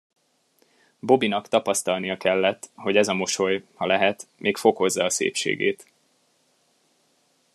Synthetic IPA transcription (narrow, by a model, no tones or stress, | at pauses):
bo̞binɒkt̪ɒpɒst̪ɒlnijɒkɛlːɛt̪ːho̞ɟɛzɒmo̞ʃo̞jhɒlɛɦɛt̪mʔeːkfo̞ko̞zːɒːsḛːpʃḛːɡḛːt̪